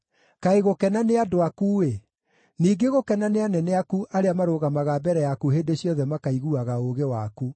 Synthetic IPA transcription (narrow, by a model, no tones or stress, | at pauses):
kaeɣokɛnaneadoakuwe | niːɡeɣokɛnaneanɛnɛakuʔaɾeamaɾoːɣamaɣabɛɾɛjakuɦeːndeɕjɔðɛmakaiɣuaɣaoɣewaku